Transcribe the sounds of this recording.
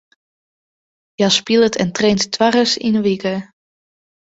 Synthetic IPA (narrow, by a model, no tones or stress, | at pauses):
jaspilˠətʰɛ̰ntrejntːʰʋarəsḭnəʋikə